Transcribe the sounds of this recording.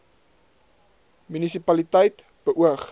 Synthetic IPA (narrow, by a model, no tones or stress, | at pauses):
mynisipɐlitəjt | b̥əʔuəχ